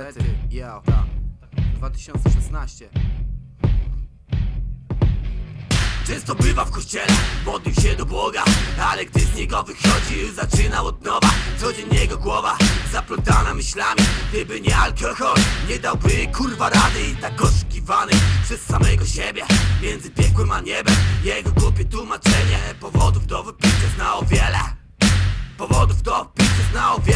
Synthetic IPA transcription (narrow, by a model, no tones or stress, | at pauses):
d̪vat̪ɕɔnt̪sɛɛsnaɕt͡ɕɛ | t͡ʂɛ̃ñst̪ɔbɪvafkɔɕt͡ɕɛlɛmɔd̪lʲiwɕɛd̪ɔbwɔɡaalɛɡd̪ɪzɲɛɡɔvɘxɔd͡ʑiwzat͡ʂɘnawɔd̪nɔvat̪sɔd͡ʑɛɲjɛɡɔɡwɔvazapɾɔt̪anamɘɕlamʲiɡd̪ɘbɘɲɛalkɔxɔlɲɛd̪awbɘkʰulvaɾad̪ɘit̪akɔʂu̥kʲivanɪpʂɛsːamɛɡɔɕebʲjɛmʲjɛnd̪zɘpʲjɛkwɘmaɲɛbɛmjɛɡɔɡɾupʲjɛt̪wumat͡ʂɛɲɛpɔvɔd̪uvd̪ɔvpʲit̪ɛznawɔvʲjɛlɛ | pɔvɔd̪uvd̪ɔpʲisɛznawɔvʲjɛ